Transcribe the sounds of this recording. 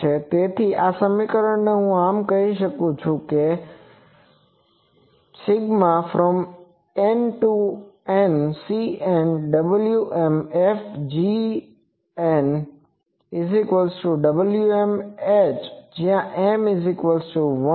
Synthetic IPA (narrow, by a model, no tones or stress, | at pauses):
et̪eːt̪ʰiʔaːsãːmikəɾəɽ̃nɐɦũaːmkɐiʃ̬ɐkot͡ʃʰuke | sɪɡmafɾɔm | enʈuensienɖɐbəljuʔɛmɛfd͡ʑiː | ɛn | ɪzɪkʋəlsʈuɖɐbəljuemeːt͡ʃd͡ʑijãʔẽːmɪzɪkʋəlsuʋɐ